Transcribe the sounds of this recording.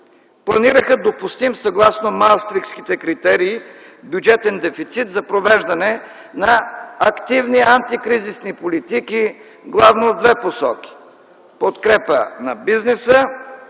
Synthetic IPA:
plˠɐniɾəxəd̪opust̪imsɐɡlˠasnomalˠst̪ɾikskit̪ɛkɾit̪ɛɾiːbjud͡ʒɛt̪ɛnd̪ɛfit̪sit̪zɐpɾovɛʒd̪ɐnɛ | nɐɐkt̪ivniant̪ikɾizisnipolit̪iki | ɡlˠavnod̪vɛposɔk̟i̥ | pot̪kɾɛpənɐ̰biznɛsə

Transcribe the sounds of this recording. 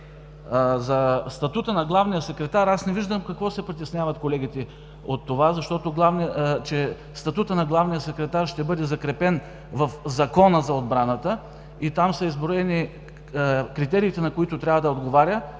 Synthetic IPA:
zɐst̪ɐt̪ut̪ənɐɡlˠavnijəsɛkɾɛt̪aɾasnɛviʒd̪əmkɐkvɔsɛpɾit̪ɛsnʲjavɐt̪kolɛɡʲit̪ɛ | ot̪ːovazɐʃt̪ɔt̪oɡlˠavniət͡ʃɛ | st̪ɐt̪ut̪ənɐɡlˠavnijəsɛkɾɛt̪aɾʃt̪ɛbɤd̪ɛzɐkɾɛpɛn | vɐfzɐkɔnəzɐod̪̚bɾanət̪ə | it̪amsɐizbɾoɛni | kɾit̪ɛɾiːt̪ɛnɐkoit̪ʊt̪ɾʲavəd̪ɐod̪ɡovaɾʲə

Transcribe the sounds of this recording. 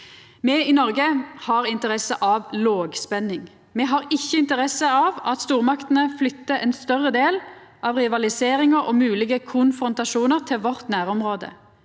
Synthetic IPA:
mɛːiːnɔʁɡəhɑʁɪnt̪əʁɛsəʔɑʋloːɡspɛnɪŋ | mɛːɦɑʁɪçːəɪnt̪əʁɛsəɑːʋɑt̪st̪uːʁmɑkt̪nəflʏt̪ːəɛnst̪œʁəd̪eːlʔɑʋʁɪʋɑlɪseːʁɪŋəʁɔ̰mʉːlɪɡəkʰʊnfɾʊnt̪ɑʃuːnəʁt̪ʰɪlʋɔʁt̪næːʁɔmʁoːd̪ə̰

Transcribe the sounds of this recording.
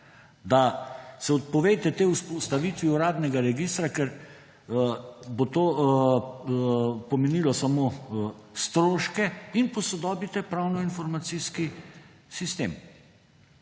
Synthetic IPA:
d̪asɛɔt̪̚pɔʋejt̪ɛt̪euspɔst̪aʋiːt̪ʋiuɾaːd̪nɛɡaɾɛɡist̪ɾakɛɾ | bot̪oː | pɔmɛniːlɔsamoː | st̪ɾoːʃkɛinpɔsɔd̪ɔːbit̪ɛpɾawnɔinfɔɾmat̪siːski | sist̪ḛːm

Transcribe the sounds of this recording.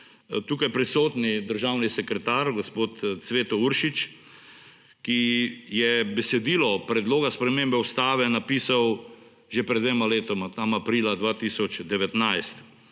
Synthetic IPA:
t̪uːkajpɾisoːt̪nid̪əɾʒawnisɛkɾɛt̪aːɾɡospoːt̪t̪sʋeːt̪ɔuɾʃit͡ʃ | kijɛbɛsɛd̪iːlɔpɾɛd̪loːɡaspɾɛmembɛust̪aːʋɛnapiːsaw | ʒepɾɛd̪ʋemaleːt̪ɔmat̪amapɾiːlad̪ʋaːt̪iːsɔt͡ʃd̪ɛʋɛt̪najst̪

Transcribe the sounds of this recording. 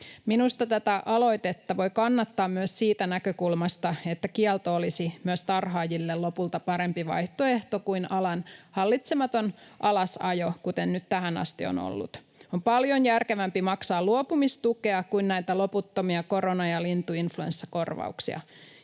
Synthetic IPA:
minust̪ɑt̪æt̪æʔɑlo̞jt̪et̪ːɑʋo̞jkɑnːɑt̪ːɑːmmyøssiːt̪ænækøkulmɑst̪ɑe̞t̪ːækiɛlt̪oolisimyøst̪ɑrɦɑːjilːello̞pult̪ɑpɑɾe̞mpiʋɑ̰jht̪oe̞ht̪o̞kuinɑlɑnhɑlːit̪semɑt̪o̞nʔɑlɑsɑjo̞kut̪ennyt̪t̪æɦænɑ̰st̪io̰no̰lːṵt̪ | o̞mpɑljo̞njærke̞ʋæmpimɑksɑːlluopumist̪ukeɑkuinnæjt̪ælo̞put̪ːomiɑko̞ɾo̞nɑjɑlint̪uinfluḛnsːɑko̞rʋɑ̰uksḭɑ̰

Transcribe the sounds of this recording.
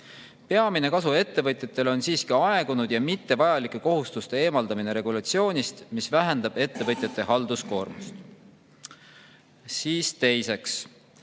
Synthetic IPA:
pe̞ɑmine̞kɑsue̞t̪ːe̞vɤt̪ʲjɑt̪ːˑe̞lo̞nsiːskiɑe̞ɡ̥unud̪̥jɑmit̪ːe̞vɑjɑlikˑːe̞ko̞ɦust̪ust̪ee̞ːmɑld̪ɑmine̞ɾe̞ɡulɑt̪sio̞ːnʲist̪misvæɦend̪̥ɑb̥e̞t̪ːe̞vɤt̪ʲˑjɑt̪ːˑe̞hɑld̪̥usko̞̰ːrmust̪ | siːst̪e̞jse̞ks

